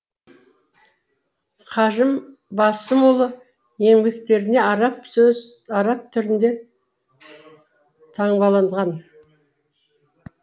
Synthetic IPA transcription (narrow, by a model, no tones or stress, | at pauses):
qʰɑʒəm | bɑsəmolˠə | je̞ŋbʲe̞kt̪e̞ɾɪne̞ɑɾɑpsɵz | ɑɾɑp̚t̪ʰʏɾɪnd̪e̞ | t̪ʰɑɴbɑlˠɑɴd̪ʁɑn